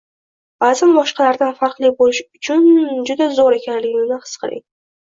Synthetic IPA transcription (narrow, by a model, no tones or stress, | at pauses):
bazɪnbɒʃqɑlaɾd̪anfaɾqlˠibolɪʃʊt͡ʃʰʊnd͡ʒʊd̪azoɾe̞kʲanlɪɡʲɪnɪhɨ̥sqʰɨɾɪ̰ŋ